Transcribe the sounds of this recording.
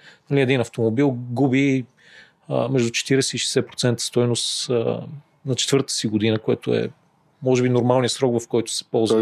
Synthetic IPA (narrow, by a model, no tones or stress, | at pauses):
nɐliɛd̪inɐft̪omobilˠɡubi | əmɛʒd̪ʊt͡ʃɛ̥t̪iɾɛsɛiʃɛ̥sɛpɾo̥t̪sɛnt̪ə̥st̪ɔjnost̪ə | nɐt͡ʃɛ̥t̪vɤɾt̪ə̥siɡod̪inəkoɛt̪oɛ̰ | mɔʒɛbinoɾmalˠnijəsɾɔkvɐfkɔjt̪ʊ̥sɛ̥pɔlˠz